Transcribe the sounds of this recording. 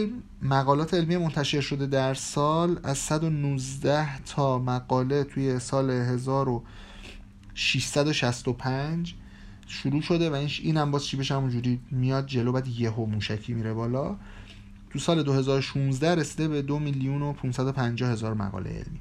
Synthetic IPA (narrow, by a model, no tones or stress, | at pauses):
lm | mæɣɒːlɒːt̪ʰeelmiemo̞nt̪ʰæʃe̞ɾʃo̞d̪e̞d̪æɾsɒːlæzsæd̪o̞nuzd̪æht̪ʰɒːmæɡɒːle̞t̪ʰuːje̞sɒːleɦe̞zɒːɾo | ʃiʃsæd̪o̞ʃæst̪o̞pʰænd͡ʒ | ʃuɾuːʃo̞d̪e̞væiːnʃiːnhæmbɒːzʃʰibeʃhæmund͡ʒuːɾiːmijɒːd̪̚d͡ʒe̞lobæːd̪jeɦomuːʃæcʰiːmiɾe̞bɒːlɒ | t̪ʰusɒːle̞d̪ohe̞zɒːɾoʃunzd̪æɾesiːd̪ebe̞d̪o̞miljuno̞pʰunsæd̪o̞pʰænd͡ʒɒːhe̞zɒːɾmæ̰ɣɒ̰lḛḛlmiː